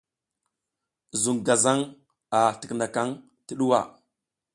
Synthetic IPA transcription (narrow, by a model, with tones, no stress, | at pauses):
zu˨ŋɡa˨za˦ŋ | a˨tə˨kna˨ka˦ŋ | tə˦ɗu˦wa˨